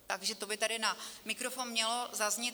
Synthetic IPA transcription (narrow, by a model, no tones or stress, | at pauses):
t̪aɡʒɛt̪obɪt̪adɪnamɪkɾofoːnmɲɛlo̞zazɲɪ